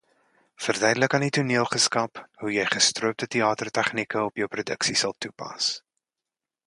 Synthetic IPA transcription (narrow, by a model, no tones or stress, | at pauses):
fərdœɥdələkɐnituniəlˠχəskɐpɦujəjχəstruəp̚tətiɑːtərtɛχnikəɔpjəwprodə̰ksisɐlˠtupɐ̰s